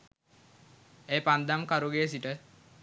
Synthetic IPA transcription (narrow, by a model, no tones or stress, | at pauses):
ejpand̪amkaɾuɡeːs̬iʈə